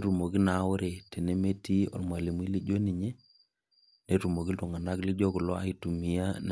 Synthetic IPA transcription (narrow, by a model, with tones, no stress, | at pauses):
ɾu˨mo˨ɡi˦na˨˦wo˦ɾe˨te˨ne˦me˦ti˦ɔ̰˨lma˨li˨m˦i˦li˦d͡ʒo˦ni˨ɲe˦ | ne˨ɾu˨mo˨ɡi˦ltu˨ŋa˨na˦kli˦d͡ʒɔ˦ku˨lɔ˦a̰˨i˨tu˨mi˨ja˦n